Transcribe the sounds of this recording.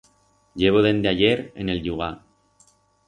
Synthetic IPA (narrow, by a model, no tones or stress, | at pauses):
ɟeβoðend̪eajeɾḛnelʎuɣa